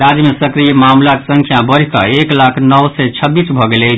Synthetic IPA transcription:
ɾad͡ʒmesəkɾijmamlaksə̃ŋkʰjabəɾ̤ikə̰eklakʰnəwsɛt͡ʃʰəbːisbʱɔɡelɛt͡ʃʰ

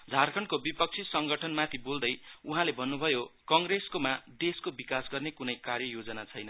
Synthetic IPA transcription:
d͡zʱarkʰʌnkobipʌk̚t͡sʰisʌŋɡʌʈʰʌnmãt̪ʰibold̪ʌjuɦãlebʱʌnːubʱʌjokʌŋɡreskomad̪eskobikasɡʌrnekunʌjkarjʌjod͡zʌnat͡sʰʌjnʌ

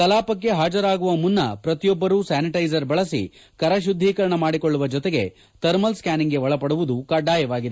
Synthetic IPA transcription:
kɐlaːpɐkːe̞ɦaːd͡ʒɐɾaːɡuʋɐmunːɐ̰pɾɐt̪ijɔbːɐɾuːsaːniʈɐjd͡ʒɐɾbɐɭɐsḭ | kɐɾɐʃ̬ud̪ʱːiːkɐɾɐɳɐmaːɽikoɭːuʋɐd͡ʒɔt̪eɡe̞ | t̪ɐɾmɐlskaːniŋɡe̞ʋɐɭɐpɐɽuʋud̪ukɐɖaːjɐʋaːɡid̪e

